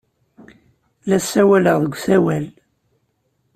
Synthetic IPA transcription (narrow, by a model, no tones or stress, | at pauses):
læsːæwæləʁðəɡʷːθæwæl